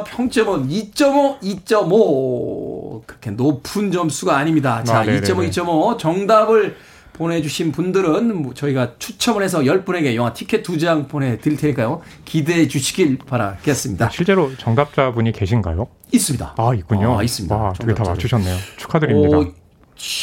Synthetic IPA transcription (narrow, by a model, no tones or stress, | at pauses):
pʰjʌŋt͡ɕ͈ʌmɯnit͡ɕ͈ʌmoit͡ɕ͈ʌmo | kɯɾʌkʰenopʰund͡ʑʌms͈uɡaːɲimɲidat͡ɕait͡ɕ͈ʌmoit͡ɕ͈ʌmot͡ɕʌŋdabɯɭ | pone̞d͡ʑuɕʰinpundɯɾɯnmot͡ɕʌiɡat͡ɕʰut͡ɕʰʌmɯɭhe̞sʰʌjʌɭp͈une̞ɡe̞joŋatʰikʰe̞tt͈ud͡ʑaŋpone̞tɯɭtʰeɲik͈ajo | kide̞d͡ʑuɕʰi̥ɡiɭpaɾa̰ɡes͈ɯmɲidaɕʰiɭt͡ɕ͈e̞ɾot͡ɕʌŋdap̚t͡ɕ͈abuɲike̞ɕʰinɡa̰jo | is͈ɯmɲida̰aik͈uɲoais͈ɯmɲiaʌɯkɡetaat͡ɕʰuɕʰʌnːejot͡ɕʰu̥kʰadɯɾia